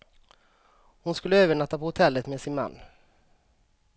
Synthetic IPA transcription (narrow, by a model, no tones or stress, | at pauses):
hʊnskɵlːəøːvəɳat̪ːapʰɔhʊt̪ʰɛlːət̪meːsɪnma̰nː